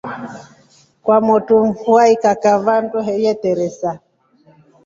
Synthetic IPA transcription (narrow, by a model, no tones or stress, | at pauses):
kwamɔtuɱ̩fuaikakavantɔɦɛjɛtɛɾɛsa